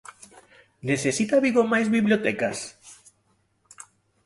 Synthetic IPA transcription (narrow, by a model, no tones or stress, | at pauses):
neθesit̪aβiɣomajzβiβljot̪ɛkas